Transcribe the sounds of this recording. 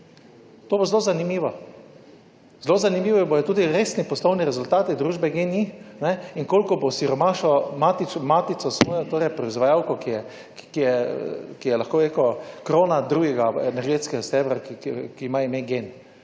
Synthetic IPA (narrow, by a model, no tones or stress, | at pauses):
t̪oːbozlozanimiːʋɔ | zlozanimiːʋɔbojɛt̪uːd̪iɾeːsnipɔslɔwniɾɛzʊlt̪aːt̪id̪ɾuːʒbɛɡeninɛinkoːlkɔbosiɾɔmaʃɔmaːt̪it͡ʃmaːt̪it̪sɔsmɔːjɔt̪oːɾɛjpɾɔizʋajawkɔkijɛ | kijɛkijɛlaxkoːɾekɔkɾoːnad̪ɾuːɡɛɡaɛnɛɾɡeːt̪skɛɡast̪ɛːbɾakkiːmaimeɡen